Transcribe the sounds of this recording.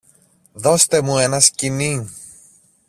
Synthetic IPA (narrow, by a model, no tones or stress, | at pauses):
ðo̞st̪e̞mue̞nɐscini